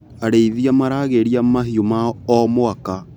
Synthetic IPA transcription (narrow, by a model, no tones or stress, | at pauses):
aɾeiðiamaɾaɣeɾiamaɦiomaɔmoaka